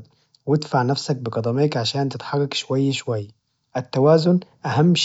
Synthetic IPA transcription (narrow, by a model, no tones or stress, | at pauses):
wɪd̪faʕnafsak̚bɪqɑd̪ˤɑmɪːkʕaʃaːnt̪ɪt̪ħɑrˤːɑkʃwajːʃwajː | ʔɪt̪ːawaːzʊnʔahamːʃ